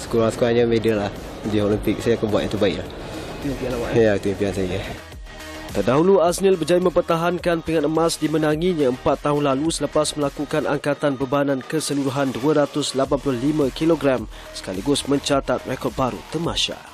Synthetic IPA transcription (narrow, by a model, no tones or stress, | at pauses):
sə̥kuɾaŋsə̥kuɾaŋɲamedəlah | dioləmpɪk̚sajakanbua̰t̪̚ʔit̪ubaɪklah | t̪umpiawajakt̪uimpiansaja | t̪ərdaɦuluasnilbəd͡ʒajimə̃mpərt̪aɦankanpiŋat̪̚əmãsdimənaŋiɲaəmpat̪ːaɦʊnlalusələpasməlakukanʔaŋkat̪anbəbaanãnkəsəluɾuɦanduəɾat̪ʊslapanpulʊhlimə̃kiloɡɾam | sə̥kaliɡʊsmə̃ɲt͡ʃat̪at̪̚rekɔrd̚baɾṵt̪əmaʃa̰